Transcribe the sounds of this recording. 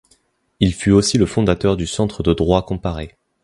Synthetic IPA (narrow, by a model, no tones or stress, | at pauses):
ilfyosiləfɔ̃d̪at̪œʁd̪ysɑ̃t̪χəd̪əd̪ʁwakɔ̃paʁe